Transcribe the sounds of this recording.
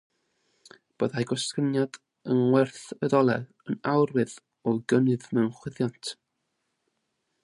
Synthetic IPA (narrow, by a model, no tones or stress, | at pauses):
b̥o̰ːðajɡɔsənjad | ənwɛrθəðɔlˠɛ | ənawrwɨð | ɔɡənɨðmɛwnχwɪðjɔntʰ